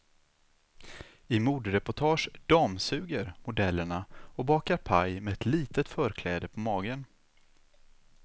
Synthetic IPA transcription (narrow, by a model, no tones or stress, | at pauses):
ɪmuːd̪ɾɛpʊʈʰɑːʂɖ̪̥ɑːmsʉ̟ːɡəɾmʊd̪ɛlːəɳaɔbɑːkaɾpʰajmɛɛt̪ʰliːt̪ət̪fœːɾkʰlɛːd̪əpʰɔmɑːɡən